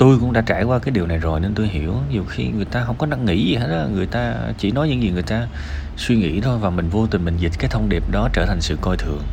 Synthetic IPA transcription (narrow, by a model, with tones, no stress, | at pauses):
t̪o˧jkʊ̰˧˥ŋ͡mɗa̰ː˧˥t͡ɕaː˧˩jkwaː˧kaː˨˦jɗi˨˩əwna˨˩jzo˨˩jne˧nt̪o˧jɦi˧˩əwɲi˨˩əwxḭ˧ŋɨ˨˩əjt̪aː˧ɦə˧˥wŋ͡mkɔ˨˦na˧ŋːḭ˧˥zi˨ɦe˨˦˥t̚ɔ˧ŋɨ˨˩əjt̪aː˧t͡ɕḭ˧˩nɔ˨˦jɲɨ̰˧˥ŋzi˨˩ŋɨ˨˩əjt̪aː˧ | swi˧ŋḭ˧˥t̪ʰo˧jvaː˨˩mï˨˩ŋ̟vo˧t̪i̟˨˩mï˨˩ŋ̟zi̟˨˩kaː˨˦jt̪ʰə˧wŋ͡mɗi˨˩p̚ɗɔ˨˦t͡ɕəː˧˩t̪ʰa˨˩ŋ̟sɨ̰˧˨kɔ˧jt̪ʰɨ˨˩əŋ